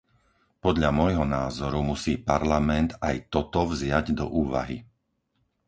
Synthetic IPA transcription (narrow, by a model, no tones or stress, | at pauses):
pɔd̪ʎamɔjɦɔnaːzɔɾumusiːpaɾlamɛnd̪ajt̪ɔt̪ɔvzɪaɟd̪ɔ̰ʔuːʋa̰ɦḭ